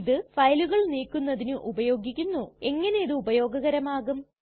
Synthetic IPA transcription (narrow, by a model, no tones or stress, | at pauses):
ðɨfɐjluɣɐɭniːkːunːɐðinɨʔubɐjo̞ːɡikʲːunːue̞ŋːɐne̞jiðɨubɐjo̞ːɡɐɣɐɾɐmaːɣum